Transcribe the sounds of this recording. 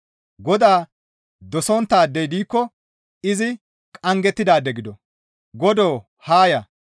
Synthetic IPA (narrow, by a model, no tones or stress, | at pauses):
ɡɔd̪aː | d̪ɔsɔnt̪ːaːd̪ːɛjd̪iːkːɔ | ɪzɪ | kʼɐŋɡɛt̪ːɪd̪aːd̪ɛɡɪd̪ɔ | ɡɔd̪oː | haːjɐ